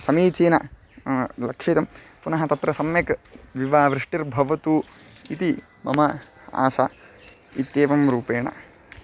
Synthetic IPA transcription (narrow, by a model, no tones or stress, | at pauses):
sɐmiːt͡ʃiːnɐ | lɐkʂit̪ɐm | punɐɦɐt̪ɐt̪ɾɐsɐmjɐkʋiʋaːʋɾɪʂʈiɾbʱɐʋɐt̪uː | it̪i | mɐmɐa̰ːsa | it̪ːeːʋɐmɾuːpeːɳɐ̰